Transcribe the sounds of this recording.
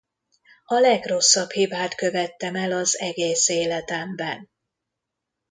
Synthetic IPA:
ɒlɛɡro̞sːɒbhibaːt̪kø̞vɛt̪ːɛmɛlɒzɛɡeːseːlɛt̪ɛmbɛn

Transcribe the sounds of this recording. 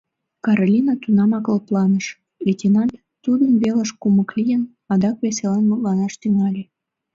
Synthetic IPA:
kɑɾolʲinɑt̪unɑmɑkəlplɑnəʃ | vetʲinɑnt̪ | t̪ud̪ənβeləʃkuməklʲijən | ɑd̪ɑkβeselɑnmut̪lɑnɑʃt̪yŋɑlʲe

